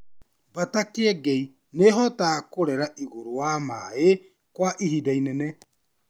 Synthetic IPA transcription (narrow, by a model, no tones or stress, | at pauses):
batakeɛɡɛi | neɦɔtaːkoɾɛɾaʔiɣoɾoama̰e | kwaʔihidainɛnɛ